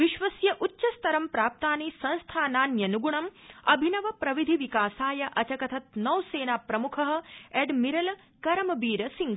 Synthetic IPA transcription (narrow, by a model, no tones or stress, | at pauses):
ʋiʃʋɐsjɐʔutːʃɐst̪ɐɾɐmpɾaːp̚t̪aːniːsɐ̃nst̪ʰaːnaːnjɐnuɡuɳɐmɐbʱinɐʋɐpɾɐʋid̪ʱiʋikaːsaːjɐʔɐt͡ʃɐkɐt̪ʰɐt̪nɐwseːnaːpɾɐmukʰɐɦɐ̆eɖmiɾɐl | kɐɾɐmɐbiːɾɐsiŋ